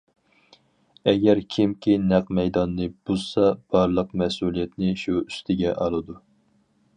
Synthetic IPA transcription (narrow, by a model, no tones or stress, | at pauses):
ɛɡʲɛɾkʲʰimkʲinæqmɛjd̪ɑnːɨb̥uz̥sɑb̥ɑɾlˠəqmɛsulˠijɛt̪nɪʃuyst̪ʰɪɡʲɛʔɑlˠɨd̪u